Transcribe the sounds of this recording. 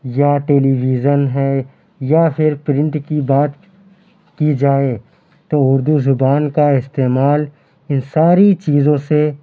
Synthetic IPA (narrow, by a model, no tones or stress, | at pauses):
jaʈeːliːʋiːd͡ʒənɦɛ | japʰɪɾpɾɪ̃ɳʈkibaːt̪ | kid͡ʒaːe | t̪oʊɾd̪uzʊbaːnkaɪst̪eːmaːl | ɪnsaːɾit͡ʃiːzõse